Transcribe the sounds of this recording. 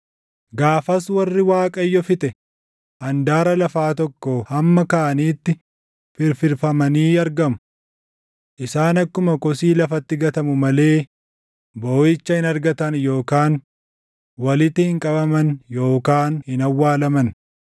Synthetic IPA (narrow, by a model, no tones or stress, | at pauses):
ɡaːfɐswɐrːɪwaːkʼɐjːɔfɪt̪ʼɛ | ʔɐnd̪aːɾɐlɐfaːt̪ɔkːɔhɐmːɐkaːʔɐniːt̪ːɪ | fɪɾfɪɾfɐmɐniːɐɾɡɐmʊ | ʔɪsaːnɐkːʊmɐkɔsiːlɐfɐt̪ːɪɡɐt̪ɐmʊmɐle̞ː | boːjɪt͡ʃːɐhɪnɐɾɡɐt̪ɐnjo̞ːkaːn | wɐlɪt̪ːɪhɪŋkʼɐbɐmɐnjo̞ːkaːnhɪnɐwːaːlɐmɐn